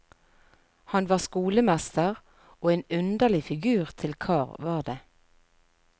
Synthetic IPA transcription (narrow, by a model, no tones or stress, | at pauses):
hɑnʋɑːʁskuːləmɛst̪əʁ | oːeːnʉnd̪əʁlɪfɪɡʉːʁt̪ʰɪlkʰɑːʁʋɑːʁd̪eː